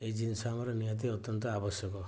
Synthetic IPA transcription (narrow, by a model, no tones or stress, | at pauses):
eid͡ʒinsamɔɾɔnijɔt̪̬iɔt̪jɔnt̪ɔabɔsjɔkɔ